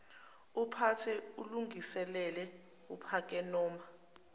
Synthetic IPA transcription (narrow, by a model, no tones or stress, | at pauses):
upʰatʰɛuluŋʱisɛlɛlɛ | upʰak̬ʼɛnɔːma